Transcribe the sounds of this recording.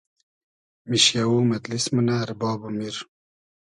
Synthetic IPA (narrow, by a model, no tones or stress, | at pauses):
miʃjawuːmɐt̪lismunaɾbɑːbumiɾ